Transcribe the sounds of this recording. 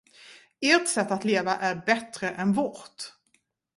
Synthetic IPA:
eːʈ̪sɛt̪ːat̪leːvaʔæɾbɛt̪ɾəʔɛnvɔɾt̪

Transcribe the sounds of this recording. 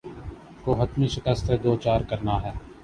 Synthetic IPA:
koːɦət̪miʃɪkəst̪ed̪oːt͡ʃaːɾkɐɾnaɦɛː

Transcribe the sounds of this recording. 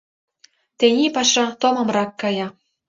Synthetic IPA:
t̪enʲipɑʃɑt̪omɤ̆mrɑkːɑjɑ

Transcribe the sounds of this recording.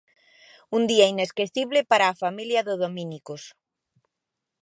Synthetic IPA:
und̪iaineskeθiβ̞lepaɾaːfamiljɐðoðomĩnikos

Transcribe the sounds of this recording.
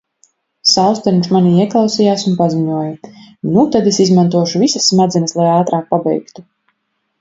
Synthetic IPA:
salst̪ɛɾmʲʃmaniiɛklˠawsijaːsunpaziɲuɔjanut̪ad̪esizmant̪uɔʃuvisasːmad̪zɛnɐslˠajaːt̪ɾaːk̚pabɛ̰jkt̪u

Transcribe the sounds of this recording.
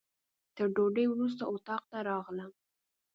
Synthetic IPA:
t̪əɾɖoɖəjwɾus̬t̪aot̪ɑq̚t̪aɾɑɣləm

